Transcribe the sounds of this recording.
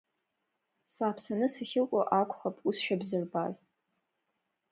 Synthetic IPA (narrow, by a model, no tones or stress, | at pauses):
saːpʰsanɨsaχʲɪlkʷʼaʔakʷʰʼχapʼusʃᶣabzɨrbaz